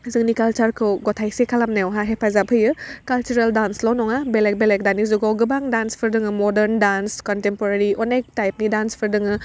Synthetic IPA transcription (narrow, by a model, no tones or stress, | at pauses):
zɯŋnikalt͡ʃaɾkʰɯwɡɔtʰajsekʰalamnajɔwɦaɦepʰazapʰɯjɯkalt͡ʃuɾaldanslɔnɔŋabelek̚belek̚danizuɡɔwɡɯbaŋdanspʰɯɾdɯŋɯmɔdeɾndanskɔntempɔɾaɾiɔnek̚tajp̚nidanspʰɯɾdɯŋɯ